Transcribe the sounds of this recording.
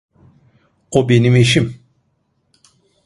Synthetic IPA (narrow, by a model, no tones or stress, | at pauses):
obenimeʃ̬im